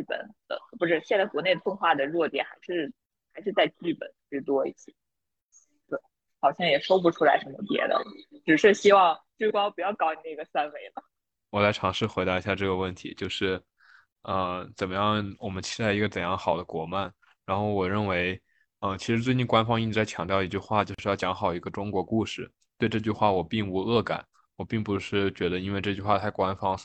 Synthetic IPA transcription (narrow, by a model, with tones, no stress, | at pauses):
t͡ɕy˥˩pə̰˨˩nt̪ə̰˧˩˧pu˧˥ʈ͡ʂɻ̩˥˩ɕjɛ˥˧nt͡sa˥˩ɪkwɔ˧˥ne˥˩ɪd̪ə˩fʰwə˥˧ŋxwa˥˩d̪ə˩ɻwɔ˥˩t̪jɛ̰˨˩nxa˧˥ɪʂɻ̩˥˩ | xa˧˥ɪʂɻ̩˥˧t͡sa˥˧ɪt͡ɕy˥˩pə̰˨˩˦n˩i˥˩t̪wɔ˥ḭ˥˩t͡ɕʰi̥˨˩ | t̪we˥˩ɪ | xɑ˨˩ʊɕjɑ˥˩ŋjɛ˨˩ʂo˥ʊp̬u˧˩ʈ͡ʂʰu˥la˧˥ɪʂə˧˥nmə˧pjɛ̰˧˥d̪ə̰˧ʈ͡ʂɻ̩˨˩ʂɻ̩˥˩ɕi˥wɑ˥˧ŋʈ͡ʂ̩˥˩kwɑ˥ŋpu˨˩jɑ˥˩ʊkɑ˥ʊni˨˧˩na˥˩ɡə˩sa˥nwe˥˩ɪlə˩ | wɔ˨˩la˧˥ɪʈ͡ʂʰɑ˧˥ŋʂɻ̩˥˩xwe˧˥ɪd̪ɑ˧˥i˧˥ɕja˥˧˩ʈ͡ʂɤ˥˩ɡə˩wə˥˩nt̪ʰḭ˧˥t͡ɕjo˥˧ʊʂɻ̩˥˩ | ə˧t͡sə˨˩nmə˦jɑ˥˩ŋwɔ˨˩mə˦nt͡ɕʰi̥˥t̪a˥˩ɪi˧˥ɡə˧ʈ͡ʂə˨˩njɑ˥˩ŋxɑ˨˩ʊd̪ə˦kwɔ˨˩ma˥˩n | ɻa˧˥nxo˥˩ʊwɔ˨˩ɻə˥˩nwe˧˥ɪ | ə˧t͡ɕʰi˧˥ʂɻ̩˧˥t̪we˥˩ɪni˥˩kwa˥nfɑ˥ŋi˥˩ʈ͡ʂɻ̩˧˥t͡sa˥˩ɪt͡ɕʰjɑ̰˨˥ŋt̪jʊi˧˥t͡ɕy˥˧xwa˥˩t͡ɕjo˥˧ʊʊʂɻ̩˥jɑ˥˩t͡ɕjɑ˧˥ŋxɑ˨˩ʊi˧˥ɡə˧ʈ͡ʂʊ˥ŋkwɔ˧˥ku˥˧ʂɻ̩˥˩ | t̪we˥˧ɪʈ͡ʂɤ˥˧t͡ɕy˥˧xwa˥˩wɔ˨˩pi˥˩ŋu˧˥ɤ˥˩ka̰˨˩˦n | wɔ˨˩pi˥˩ŋpu˧˥ʂɻ̩˥˩t͡ɕɥɛ˧˥d̪ə˧i˥nwe˥˧ɪʈ͡ʂɤ˥˧t͡ɕy˥˧xwa˥˩t̪ʰa˥˩ɪkwa˥nfɑ˥ŋ